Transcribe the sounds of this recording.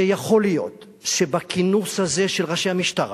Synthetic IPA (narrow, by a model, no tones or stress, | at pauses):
ejaχo̞lijo̞̰t̪ | ʃebakinushaze̞ʃelʁaʃejhamiʃtaʁ